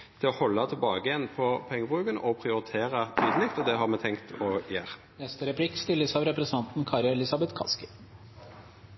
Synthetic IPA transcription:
d̪ɛɔhɔlːɑt̪ʰɪlbɑːɡəjɛnpʰɔpʰɛŋːəbuːɡənɔpʰʁɪʊɾɪt̪ʰeːʁɑt̪ʰiːd̪lɪkt̪ɔd̪ɛɦɑɾmɛt̪ʰɛŋkt̪ʰɔjæːʁ | nɛst̪əɾɛpʰɽɪkːst̪ɪlːəsɑʋɾɛpɾɛsɑnt̪n̩kʰɑɾjɑlɪsɑbɛt̪kʰɑ̰skɪ

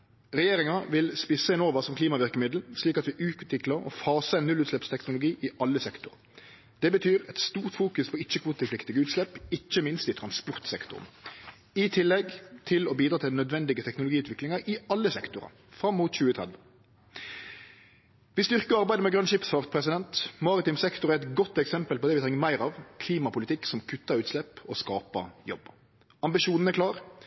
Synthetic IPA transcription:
ʁɛjeːɾɪŋɑʋɪlspisəɛnoːʋəsɔmkʰliːmɑʋɪʁkəmɪd̪l̩sliːkɑt̪ʋɪʔʉːkt̪ʰɪklɑɾɔ̰fɑːsəɛnːʉlʉːt̪slɛpst̪ʰɛknʊlʊɡiːʔɪʔɑlːəsɛkt̪ʊʁɑ̰ | d̪̥ɛbət̪ʰyːʁɛt̪st̪uːʁt̪fuːkʉspʰɔːɪt͡ʃːəkʰʋuːt̪t̪ɪplɪkt̪ɪɡəʉːt̪slɛpɪt͡ʃːəmɪnst̪ɪt̪ʰɾɑnspʊʁt̪sɛkt̪ʊ̰ʁn | ɪt̪ʰɪlːɛɡt̪ʰɪlɔbiːd̪ɾɑːt̪ʰɪlnœd̪ʋɛnd̪ɪɡət̪ʰɛknʊlʊɡiːʉːt̪ʋɪklɪŋɑɾɪɑlːəsɛkt̪ʊʁɑ̰ | fʁɑmːuːt̪çʉːət̪ʰʁæ̰d̪ʋə | ʋɪst̪ʏʁkəɑɾbæɪd̪əmɛɡɾœnʃɪːpsfɑːʁt̪̚pʰɾɛsɪd̪ɛnt̪mɑːʁɪt̪ɪmsɛkt̪ʊɾæɾɛt̪ɡɔt̪ːɛksɛmpəlpɔd̪ɛːʋɪt̪ʰɛŋːəmæɪɾɑʋkʰliːmɑpʰʊlɪt̪ɪkːsɔmkʰʉt̪ːɑɾʉːt̪slɛpɔskɑːpəjɔ̰b | ɑmbɪʃuːnn̩æklɑːɾ

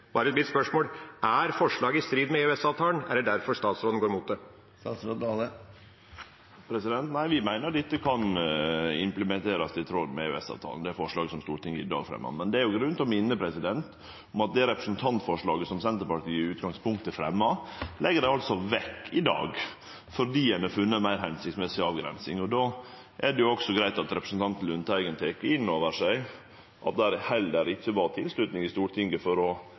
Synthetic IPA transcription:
ʋɑɾəlmɪt̪spœʂmoːlæɾfɔʂɭɑːɡəɪst̪ɾiːd̪mɛeʉɛsɑːʋt̪ʰɑːlənæɾɖɛd̪æɾfɔʂt̪ɑːt̪sɾoːd̪n̩ɡoːɾmuːt̪̚d̪ɛ | s | pʰɾɛsɪd̪ɛnt̪næɪʋɪmæɪnəɾd̪ɪt̪ːəkʰɑn | ɪ̰mpləmɛnt̪ʰeːɾɑst̪ɪt̪ʰɾoːd̪mɛeʉ̰ɛsɑ̰ːʋt̪ʰɑ̰ːln̩d̪ɛæɾfɔʂɭɑːɡsɔmst̪uːɾəʈ̪ɪŋːəɾɪd̪ɑ̰ːɡfɾɛ̰mːɑ̰mɛnd̪ɛæɾjʊɡɾʉnt̪ɔmɪnːəpʰɾɛsɪd̪ɛnt̪ | ɔmɑt̪̚d̪ɛɾɛpɾəsnt̪ʰɑnt̪fɔʂɭɑːɡəsɔmsɛnt̪əɾpɑʈ̪iːəɪʉːt̪ɡɑŋspʰʊŋkt̪əfɾɛmːɑlɛɡːəɖɛɑlt̪sɔʋɛkːɪd̪ɑ̰ːɡ | fɔɾd̪iːɛnəfʉnːəmæɪɾɦɛnsɪkt̪smɛsɪɑːʋɡɾɛ̰nsɪŋɔd̪oː | ʔɛɖɛjʊɔksɔɡɾæɪt̪ɑt̪ɾɛpɾəsn̩t̪ʰɑnt̪nl̩ʉnt̪ʰæɪɡənt̪ʰeːkːəɪnːoːʋəɾʂæɪ | ʔɑ̰t̪̚d̪æɾhɛlːəɾɪçːəʋɑːt̪ʰɪlslʉt̪nɪŋɪst̪uːʈʰɪŋːəfɔɾɔ

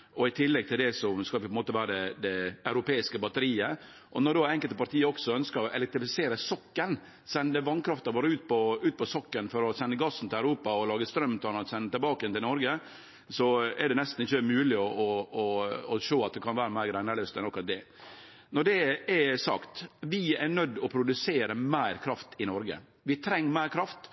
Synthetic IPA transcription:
ɔɪt̪ʰɪlːɛɡ̚t̪ʰɪld̪ɛsɔskɑlʋɪpʰɔɛnmoːt̪əʋæːɾəd̪ɛd̪ɛɑʉɾʊpeːɪskəbɑt̪əɾiːə | ʔɔnɔɖoːɛŋkəlt̪əpʰɑɾt̪iːəɔksɔœnskəɾɔʔɛlɛk̚t̪ɾɪfɪseːɾəsɔkːən | sɛnd̪əʋɑnkʰɾɑft̪əbɑːɾəʉːt̪̚pɔʉːt̪pʰɔsɔkːənfɔɾɔsɛnːəɡɑsn̩t̪ʰɪlæʉɾuːpɑɔlɑːɡəst̪ɾœmːt̪ʰɑnɑt̪sɛnːət̪ɪbɑːkəənt̪ʰɪlnɔɾɡə | sɔɛɖɛnɛst̪n̩ɪçːəmʉːlɪɔʔɔɔːʂoːɑt̪̚d̪ɛkʰɑnʋæːɾəmæɪɡɾæɪnəɭøːst̪ɛnɔkːɑd̪ɛ | nɔɖɛɛsɑ̰kt̪ʋɪɛɳœd̪ːɔpʰɾʊd̪ʉseːɾəmæɪɾkʰɾɑft̪ɪnɔɾɡə̰ | ʋɪt̪ʰɾɛŋːmæɪɾkʰɾɑft̪

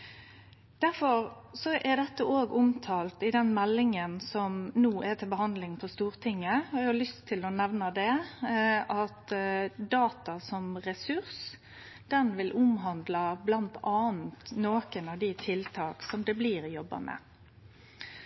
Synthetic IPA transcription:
d̪̥æɾfɔɾ | sɔʔɛɾd̪ɛt̪ːəʔoːɡʊmt̪ʰɑːlt̪ɪd̪ɛnmɛlːɪŋənsɔmnuːʔɛt̪ʰɪlbəhɑnd̪lɪŋpʰɔst̪uːʁt̪ʰɪŋːəɛhɑlʏst̪ʰːɪlɔnɛʋnəd̪ɛ | ʔɑt̪d̪ɑːt̪ɑsɔmʁɛsʉɾs | d̪̥ɛnʋɪlʔʊmɦɑnd̪lɑblɑnt̪ɑːn̩t̪noːkənɑd̪ɪt̪ʰɪlt̪ʰɑːksɔmd̪ɛbliːɾjɔbːɑ̰mɛ̰

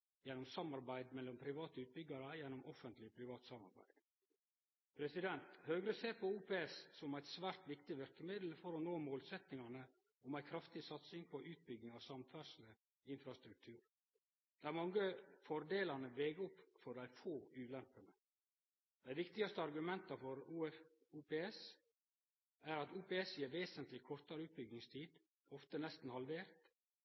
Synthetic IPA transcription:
jɛnːʊmsɑmɑɾbæɪd̪mɛlːɔmpʰɾɪʋɑːt̪əʉːt̪̚bʏɡɑɾəjɛnːʊmɔfənt̪lɪpʰɾɪʋɑːt̪sɑmɑ̰ɾbæ̰ɪd̪̥ | pʰɾɛsɪd̪ɛnt̪høːɡɾəseːpʰɔuːpʰeɛssɔmæɪt̪sʋæːɾt̪ʋɪkt̪ɪʋʏɾkəmeːd̪l̩fɔɾɔnoːmoːlsɛt̪nɪŋɑnə | ʊmæɪkʰɾɑft̪ɪsɑt̪sɪŋpʰɔʔʉːt̪̚bʏɡːɪŋɑʋsɑmæɾʂlə | ɪnfɾɑst̪ɾʉk̚t̪ʰʉːɾ | d̪̥æmɑŋːəfɔɾd̪eːlɑnəʋeːɡəɔpfɔɖ̪æɪfoːʉːlɛmpənə | d̪̥æɪʋɪkt̪ɪɡɑst̪əɑɾɡʉmɛnt̪ɑfɔɾu | uːpʰeɛs | æɾɑt̪uːpeːɛsɪæɪʋeːsənt̪lɪkʰɔɾt̪ɑɾəʉːt̪̚bʏɡɪŋst̪ʰiːd̪ | ɔft̪ənɛst̪n̩hɑlʋeːɾt̪

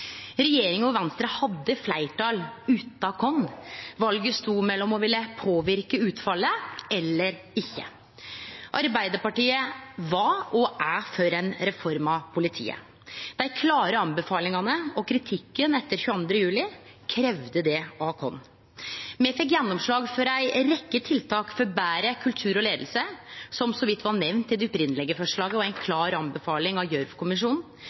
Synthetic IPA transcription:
ɾɛjeːɾɪŋəɔʋɛnst̪ɾəhɑd̪ːəflæɪʈɑːlʉːt̪ɑkʰɔnʋɑlɡəst̪uːmɛlːɔmɔʋɪlːəpʰoːʋɪɾkəʉːt̪fɑlːəɛlːəɾ | ɪçːə̰ | ʔɑɾbæɪd̪əɾpɑʈiːəʋɑɔʔæfɔɾɛnɾɛfɔɾmɑpʰʊlɪt̪ʰḭːə̰ | d̪̥æɪkʰlɑːɾəɑnbəfɑːlɪŋɑnəɔkʰɾɪt̪ʰɪkːənɛt̪ːəɾçʉːɑnd̪ɾəjʉːlɪ | kʰɾɛʋd̪əd̪ɛɑːkʰɔnː | mɛfɛkjɛnːɔmʂɭɑːɡfɔɾæɪɾɛkːət̪ʰɪlt̪ʰɑːkfɔɾbæːɾəkʰʉlt̪ʰʉːɾɔleːd̪l̩səsɔmsɔʋɪt̪ːʋɑnɛʋnt̪ɪld̪ɛʊpɾɪnːəlɪɡəfɔʂɭɑːɡəɔæɪnkʰlɑːɾɑnbəfɑːlɪŋɑʋjœɾʋkʰʊmɪʂuːnn̩

